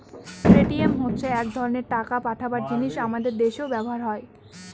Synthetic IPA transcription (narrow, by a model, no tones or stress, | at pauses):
pɾeʈiemɦotːɕʰeɛkd̪ʱɔɾoneɾʈakapaʈʰabaɾd͡ʑiniʃamad̪eɾd̪eʃeobɛboɦaɾɦɔe